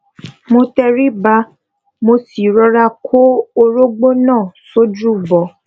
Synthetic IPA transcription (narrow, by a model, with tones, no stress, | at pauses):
mo˧tɛ˧ɾi˦ba˧ | mo˧si˨ɾɔ˧ɾa˧kʰo˦o˧˦ɾo˦ɡ͡bo˦nãː˦˨so˦d͡ʒu˦˨bɔ˨